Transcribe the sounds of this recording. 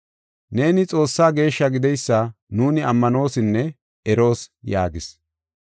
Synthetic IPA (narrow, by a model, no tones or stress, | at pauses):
ne̞ːnɪt͡sʼo̞ːsːaːɡe̞ːʃːɐɡɪd̪ɛjsːɐnuːnɪɐmːɐno̞ːsɪnːɛ | ɛɾo̞ːsja̰ːɡɪs